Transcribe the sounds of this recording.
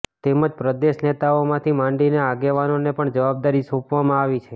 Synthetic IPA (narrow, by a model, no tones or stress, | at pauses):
t̪eməd͡ʒpɾəd̪eʃnet̪aomãt̪ʰimãɳɖineaɡeʋanonepəɳd͡ʒəʋab̚d̪aɾisũpʋamãaʋit͡ʃʰe